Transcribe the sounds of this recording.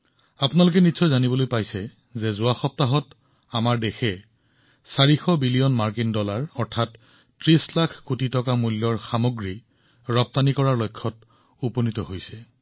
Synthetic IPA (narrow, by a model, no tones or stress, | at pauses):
apʊnalok̬ɛnitsɔjzanibɔlojpajsɛ | zɛzʊaxɔp̚taɦɔt | amaɹdexɛ | saɹixɔbilijɔnmaɹkindɔlaɹɔɹtʰat | tɹislakʰkutitɔkamulːɔɹxamoɡɹi | ɹɔp̚tanikɔɹaɹlojkʰːɔt | uponitɔɦojsɛ